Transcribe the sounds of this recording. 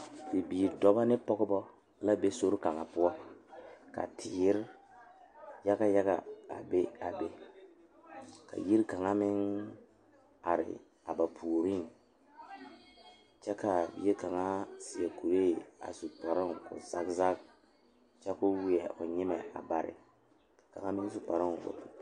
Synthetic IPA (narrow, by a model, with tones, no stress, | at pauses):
bi˨biː˨ɾdɔ˦ba˦nɪ˦pɔ˦ɡɪ˦bɔ˦ | la˦be˦so˦ɾka˨ŋa˨pʊ˦ɔ˦ | ka̰˨tʰɪ˨˦ɾ | ja˦ɡa˦ja˦ɣa̰˨a̰˨be˦a˨be˦ | ka̰˨ji˦ɾka˨ŋa˦mɪ˦ŋ | a̰˨ɾɪ̰˨ | a˨ba˨pʰu˨o˨ɾi˦ŋ | t͡ʃɛ˦ka˨je˦ka˨ŋa˦si˨a˨ku˨ɾe˦˨a̰˨su˨pɔ˨ɾɪ˦ŋ˨kʊ̰˨za˦kza˦k̚ | t͡ʃɛ˦kʊ˦wɪ˨ɛ˨ʔʊ˨ɲɪ˦mɛ˨a̰˨ba˨ɾɪ̰˨ | ka˨ŋa˦mɪ̃˦ŋ˦sʊ˨pa˨ɾɪ˦ŋ˨kʊ̰˨tʊ˨